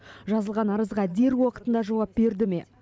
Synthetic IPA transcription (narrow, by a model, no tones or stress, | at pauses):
ʒɑzəlˠʁɑnɑɾəzʁɑd̪e̞ɾwoqət̪ənd̪ɑʒɑwɑp̚be̞ɾd̪ɪme̞̰